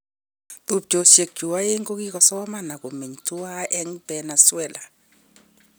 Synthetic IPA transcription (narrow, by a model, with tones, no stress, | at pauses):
tu˦˨p̚d͡ʒo˨se˨k̚d͡ʒu˨wa˦je˦ŋɡo˦ki˦kɔ˨sɔ˦wa˦ma˦˨na˨ko˨me˨ɲtu˦wa˦ʔɛ˦ŋbɛ˨na˨swɛ˦˨la˨